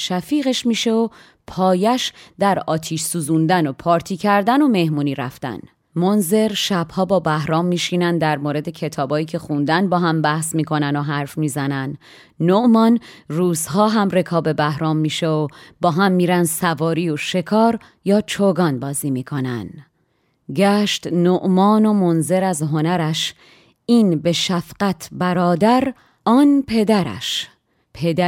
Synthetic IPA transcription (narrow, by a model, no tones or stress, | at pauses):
ʃæfiːɣeʃmiːʃeo | pʰɒːjæʃd̪æɾɒːt̪ʰiːʃsuːzund̪æno̞pʰɒːɾt̪ʰiːcʰæɾd̪æno̞me̞hmuːniːɾæ̰ft̪æ̰n | monze̞ɾʃæb̥hɒːbɒːbæhɾɒːmːiːʃiːnænd̪æɾmoːɾe̞d̪ecʰe̞t̪ʰɒːbɒːjiːcʰe̞χund̪ænbɒːɦæmbæhsmiːkʰo̞nænoɦæɾfmiːzænæn | noʔmɒnruːzɦɒːɦæmre̞kʰɒːbe̞bæhɾɒːmːiːʃeobɒːɦæmːiːɾænsævɒːɾiːoʃe̞kʰɒːɾ | jɒːt͡ʃʰoɡɒːnbɒːziːmiːkʰo̞næ̰n | ɟæːʃt̪noʔmɒːno̞monze̞ɾæzɦo̞næɾæʃ | iːnbe̞ʃæfɢæt̪ʰbæɾɒːd̪æɾ | ɒːnpʰe̞d̪æɾæ̰ʃ | pʰed̪æ